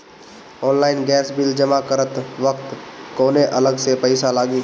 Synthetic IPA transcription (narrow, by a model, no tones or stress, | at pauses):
ɔːnlaːɪnɡɛːsbɪld͡ʒəmakəɾət̪ʋəkt̪koːneʔɐləɡsepəɪsalaːɡi